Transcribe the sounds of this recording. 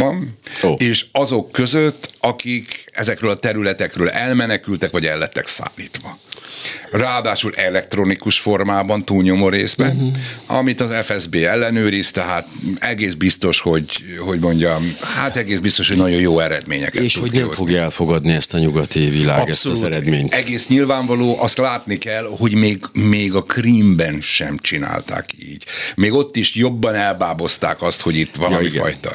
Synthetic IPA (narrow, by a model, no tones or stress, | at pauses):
ɒnoeːʃɒzo̞kːø̞zøt̪ːɒkikɛ̰zɛkɾøːlɒt̪ɛɾylɛt̪ɛkrøːlɛlmɛnɛkylt̪ɛkʋɒɟɛlːɛt̪ːɛ̰ksa̰ːlːiːt̪ʋɒ | raːd̪aːʃulʔɛlɛk̚t̪ro̞nikuʃfo̞rmaːbɒnt̪uːlɲo̞mo̞ɾḛːzbɛnɒ̰mit̪ɒzɛfɛzbeːɛlːɛnøːɾist̪ɛɦaːt̪ɛɡeːzbist̪o̞ʃho̞ɟɦo̞ɟmo̞ɲɟɒmhat̪ɛɡeːzbist̪o̞ʃho̞ɟnɒɟo̞joːɛɾɛd̪mḛːɲɛ̰kɛet̪uodnɛfoɡjɛlfoɡɒd̪niɛst̪ɒɲuɡɒt̪ivilaːɡɛstouɛɾɛmeːɲt̪ɛɡeːsɲilvaːɱvɒloːʔɒst̪laːt̪nikɛlho̞ɟmeːɡmeːɡɒkriːmbɛnʃɛ̰mt͡ʃina̰ːlt̪a̰ːkḭːɟmeːɡo̞t̪ːiʃjobːɒnɛlbaːbo̞st̪a̰ːkɒst̪ho̞ɟit̪ːʋɒlɒmiɡɒ̰jt̪ɒ̰